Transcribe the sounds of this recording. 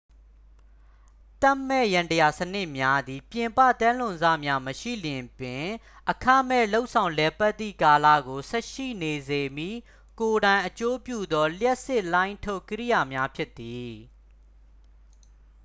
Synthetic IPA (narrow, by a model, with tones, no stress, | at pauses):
t̪ã˦˨mːɛ˦˨jã˨ntəja˨sənɪ˦ʔmja˦d̪i˨pjɪ̃˨mpä̰˦˨t̪ã˦lʊ̃˨nza̰˦˨mja˦məʃḭ˦˨ljɪ̃˨pɪ̃˨ | ʔəkʰã˦mɛ̰˦˨lo˦ʊʔsʰã˨ʊ̃lɛ˨pa˦t̪ːḭ˦˨ka˨lä̰˦˨ɡo˨sɛ˦ʔʃḭ˦˨ne˨ze˨mjḭ˦˨ | ko˨ɾã˨ɪ̃ʔət͡ɕo˦pjṵ˦˨d̪ɔ˦ljɛ˦ʔsɪ˦ʔlã˦ɪ̃ntʰo˦˨ʔkːə˦ɹḭ˦˨ja˨mja˦pʰjɪ˦t̪ːi˨